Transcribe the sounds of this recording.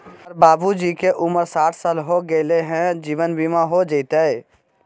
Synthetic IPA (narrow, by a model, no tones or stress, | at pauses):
əɾbaːbud͡ʒikeʔʊməɾsaːʈʰsaːlɦoɡəleɦɛ̃d͡ʒiːʋənbʱimãɦod͡ʒəɪt̪eɛ